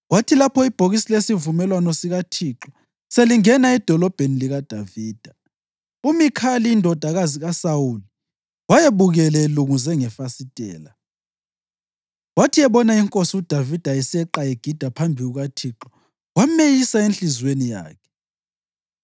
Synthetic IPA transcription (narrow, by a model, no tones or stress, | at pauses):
watʰilapʰɔib̥ʱoɣisilesivumɛlwanɔsiɣatʰiǁɔ | seliŋɛnaɛd̥ʱɔlɔb̥ʱeniliɣad̥ʱaviːd̥ʱa | umikʰaliːndʱɔd̥ʱaɣaziɣasawuli | wajeβuɣɛlɛluŋuzɛŋɛfasitʼɛ̰ːla | watʰiɛβɔnaiŋkʼosiud̥ʱavid̥ʱaisɛǁaeɡ̥ʱid̥ʱapʰambʱiɣuɣatʰiǁɔ | wamejisaenɬizwenija̰ːkʰɛ̥